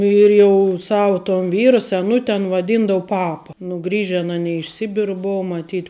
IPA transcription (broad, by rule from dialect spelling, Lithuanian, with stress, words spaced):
ɪr jɛʊ ˈsɑːʋʊ toːn ˈʋʲiːrɐ sʲɛˈnʊtʲ ɐn ʋɐˈdʲiːndɐʋʊ ˈpɑːpɐ nʊ ˈɡrʲiːʒʲɛn ɐˈnʲiː ɪʃ ˈsʲɪbʲɪrʊ ˈbʊʊ mɐˈtʲiːtʲ